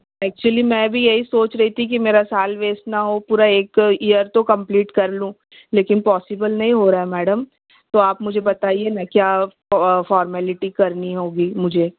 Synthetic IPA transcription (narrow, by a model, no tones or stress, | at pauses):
ɛːk̚t͡ʃuəlimɛ̃ːbʱijɐɦisoːt͡ʃɾɐɦit̪ʰik̬imeːɾasaːlʋeːsʈnaɦopuːɾaeːkijəɾt̪okɐ̃mpliːʈkɐɾlũː | leːkɪnpɔːsɪbəlnɐɦĩɦoɾaːɛmɛːɖəm | t̪oaːpmʊd͡ʒʱebɐt̪aːienakjaː | fɔːɾmɛːlɪʈikɐɾniɦoːɡiːmʊd͡ʒʱeː